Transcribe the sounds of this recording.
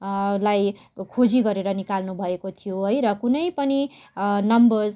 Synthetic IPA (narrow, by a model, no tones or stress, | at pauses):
laj | kʰod͡ziɡʌɾeɾʌnikalnubʱʌekot̪ʰijoɦʌjɾʌkunʌjpʌni | nʌmbʌrz